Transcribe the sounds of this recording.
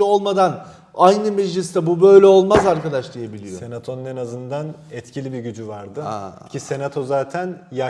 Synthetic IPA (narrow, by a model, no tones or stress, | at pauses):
olˠmad̪an | ajnɯmɛd͡ʒlʲist̪ɛbubø̞jlʲɛo̞lˠmazaɾkad̪aʃlˠijebilʲisjoe̞nat̪ʰo̞nunenazɯnd̪an | ɛt̪cʰilʲibiɟyd͡ʒyvaɾd̪ɯ̰cʰise̞nat̪ʰo̞zaːt̪ʰænja